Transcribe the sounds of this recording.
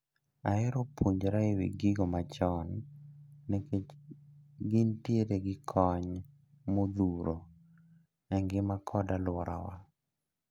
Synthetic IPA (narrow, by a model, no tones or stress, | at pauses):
aɪɾopuɲd͡ʒɾaɪwḭɡɪɡɔmat͡ʃɔn | nɛke | ɡɪntjeɾeɡɪkʰɔɲ | mod̪uɾo | ɛŋɡɪmakʰɔdalwɔɾa̰wa